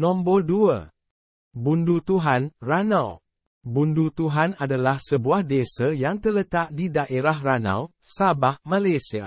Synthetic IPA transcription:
nɔ̃mbəlduə̰ | bundut̪uɦanranãw | bundut̪uɦanadalahsəbuahdesajaŋt̪ələt̪aʔdidaʔeɾahranã̰w | sabahmãlasia̰

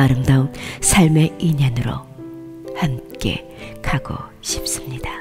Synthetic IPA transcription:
aɾɯmdaonsʰaɭme̞iɲanɯɾo̰ | hamk͈e̞̰ | kʰaɡo̰ | ɕʰi̥p̚s͈ɯmɲid̥a

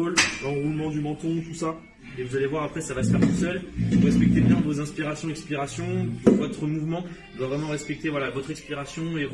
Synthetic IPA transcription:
olɑ̃ʁulmɑ̃d̪ymɑ̃t̪ɔ̃t̪usa | evuzalevwaʁapχɛsavasə̥fɛʁt̪usœlvuʁɛspɛk̚t̪ebjɛ̃vozɛ̃spʲiʁasjɔ̃ɛkspiʁasjɔ̃d̪ɔ̃vɔt̪χəmuvmɑ̃ | d̪wavʁɛmɑ̃ʁɛspɛk̚t̪evwalavɔt̪χɛkspiʁasjɔ̃e

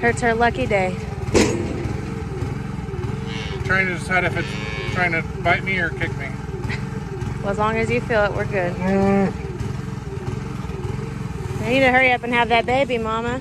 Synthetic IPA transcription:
hɜ˞tshə˞lʌkideɪ | tʰɹ̥aɪɪ̃ŋtʰɨdɪsaɪɾɨfɨtstʰɹ̥aɪ̃ŋtʰɨ | baɪt̚miə˞kʰɪk̚mi | əzlɔ̃ŋɨzjɨfilˠəʔwʔə̰˞ɡʊd̥̚ | eɪnid̚tɨhɜ˞iʌpɨ̃n̩ɨvðɨt̚b̥eɪbimɑmə

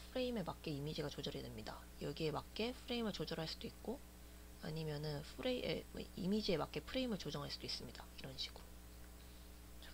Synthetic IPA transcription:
pʰɯɾe̞ime̞mak͈̚e̞imid͡ʑiɡat͡ɕod͡ʑʌɾedemɲida | jʌɡie̞mak̚k͈e̞pʰɯɾe̞imɯɭt͡ɕod͡ʑʌɾɦaɭs͈ud̥oik̚k͈o | a̰ɲimjʌnɯnpʰɯɾḛm̰ḭmid͡ʑie̞mak͈e̞pʰɯɾe̞imɯɭt͡ɕod͡ʑʌŋɦaɭs͈ud̥ois͈ɯmɲid̥aiɾʌnɕʰi̥ɡ̥uo

